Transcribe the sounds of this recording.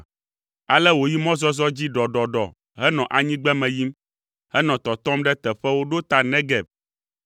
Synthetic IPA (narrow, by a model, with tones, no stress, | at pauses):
a˨lɛ˦wo˨ji˦mɔ̃˦zɔ˦zɔ˦d͡ʑi˦ɖɔ˨ɖɔ˨ɖɔ˨ | ɦɛ˦nɔ̃˨ʔa˨ɲĩ˦ɡ͡bɛ˦mɛ̃˨ji˦m | hɛ˦nɔ̃˨t̪ɔ˨t̪ɔ̃˦mɖɛ˦t̪ɛ˨ɸɛ˦wo˦ɖo˦t̪a˨nɛ̃˦ɡɛ˨b̚